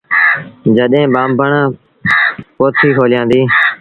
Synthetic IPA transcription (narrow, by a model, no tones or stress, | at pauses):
d͡ʒəɗẽːɓaːmbəɳãː | poːt̪ʰiːkʰoːlɪjãːnd̪iː